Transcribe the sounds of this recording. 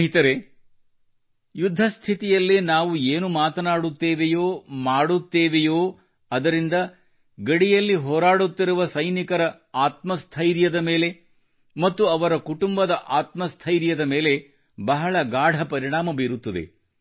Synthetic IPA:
ɦit̪ɐɾe | jud̪ʱːɐst̪ʰit̪ijɐlːenaːʋueːnumaːt̪ɐnaːɽut̪ːeːʋejoːmaːɽut̪ːeːʋejoː | ɐd̪ɐɾind̪ɐ | ɡɐɽijɐlːiɦɔːɾaːɽut̪ːiɾuʋɐsɐjnikɐɾɐ | aːt̪mɐst̪ʰɐjɾjɐd̪ɐme̞ːle̞ | mɐt̪ːuɐʋɐɾɐkuʈumbɐd̪ɐʔaːt̪mɐst̪ʰɐjɾjɐd̪ɐme̞ːle | bɐɦɐɭɐɡaːɽʱɐpɐɾiɳaːmɐbiːɾut̪ːɐd̪e̞̰

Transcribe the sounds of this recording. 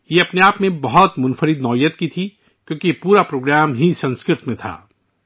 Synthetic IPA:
jeɐpneaːpmẽbɐɦɔt̪mʊnfəɾɪd̪nɔːijət̪kit̪ʰi | kjõːkiepuːɾapɾoːɡɾaːmɦisɐ̃nskɾɪt̪mẽt̪ʰa̰ː

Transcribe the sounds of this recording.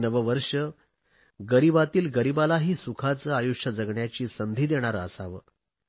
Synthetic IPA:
nəʋəʋəɾʂə | ɡəɾibat̪iːlɡəɾibalaɦiːsukʰat͡səːajuʂjəd͡zəɡɳjat͡ɕiːsənd̪ʱiːd̪eɽ̃aɾəəsaʋə̰ː

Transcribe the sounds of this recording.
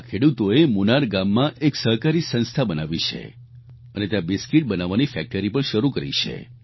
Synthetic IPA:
kʰeɽut̪oemunaɾɡamːãʔeksəɦkaɾisə̃nst̪ʰabənaʋit͡ʃʰḛ | ənet̪jãbɪskiʈ̚bənaʋanifɛk̚ʈəɾipəɳʃəɾukəɾḭt͡ʃʰḛ

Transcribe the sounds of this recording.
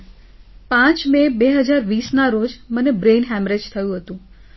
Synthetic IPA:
pãt͡ʃmebeɦəd͡ʒaɾʋisnaɾod͡ʒmənebɾenɦɛmɾed͡ʒt̪ʰəjũɦət̪ũ

